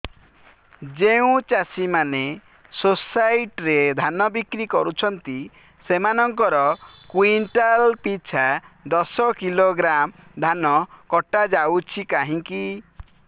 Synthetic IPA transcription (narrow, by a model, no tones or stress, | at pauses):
d͡ʒeũt͡ʃasimane | sosajʈɾed̪ʱanɔbikɾikɔɾut͡ʃʰɔnt̪i | semanɔŋkɔɾɔkwinʈalpit͡ʃʰad̪ɔsɔkiloɡɾamd̪ʱanɔkɔʈad͡ʒawt͡ʃʰikaɦĩŋki